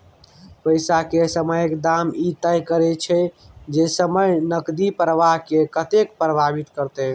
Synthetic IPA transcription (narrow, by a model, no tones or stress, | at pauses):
pəjsakesəməjkd̪amit̪əjkəɾɛt͡ʃʰɛd͡ʒesəməjnəkd̪ipɾəʋaɦkekət̪ekpɾəbʱabit̪kəɾt̪e